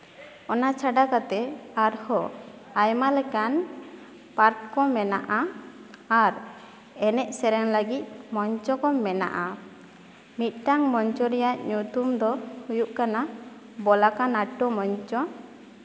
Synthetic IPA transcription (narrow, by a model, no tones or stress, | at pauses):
ɔnat͡ʃʰaɖakat̪ɛaɾhɔajmalɛkan | paɾkːɔmɛna̰ʔaː | ɾ | ɛnɛʔsɛɾɛŋləɡit̪̚ˀmɔɲt͡ʃɔkɔmɛna̰ʔa | mit̪̚ˀʈaŋmɔɲt͡ʃɔɾɛjaʔɲut̪umd̪ɔhujuʔkana | bɔlakanaʈːɔmɔɲt͡ʃɔ